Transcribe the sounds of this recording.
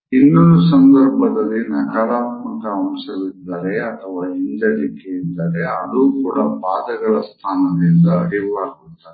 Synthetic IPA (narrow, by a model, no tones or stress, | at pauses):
inːɐɾusɐnd̪ɐɾbʱɐd̪ɐlːinɐkaːɾaːt̪mɐkɐːmsɐʋid̪ːɐɾeɐt̪ʰɐʋaːiɲd͡ʒɐɾikeind̪ɐɾeɐ̰luːkuːɽɐpaːd̪ɐɡɐɭɐst̪ʰaːnɐd̪ind̪ɐɦiʋaːɡud̪ːaːɾe